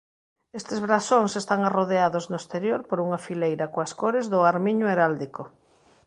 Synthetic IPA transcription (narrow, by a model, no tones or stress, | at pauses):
est̪ezβɾasoŋsest̪aŋaroðeaðoznʊest̪eɾjoɾpoɾuŋɐfilejɾɐkoaskoɾezðʊaɾmiɲʊeɾald̪iko